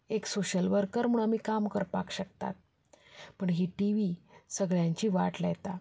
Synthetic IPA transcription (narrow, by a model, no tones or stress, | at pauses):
eksoɕəlʋəɾkəɾm̤uːɳamiːkamkəɾpakɕəkt̪a̰t̪̚ | pəɳɦiːʈiʋisəɡɭjãɲt͡ɕiːʋaʈlajt̪a